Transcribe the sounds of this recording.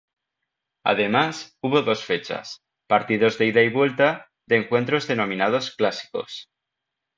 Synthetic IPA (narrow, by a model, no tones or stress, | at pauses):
a̰ðe̞masuβo̞ðo̞sfe̞t͡ʃa̰s | paɾt̪iðo̞zðeiðaiβwe̞lt̪a | ðe̞ːŋkwe̞nt̪ɾo̞zðe̞no̞mĩnað̞o̞sklasi̥ko̞̰s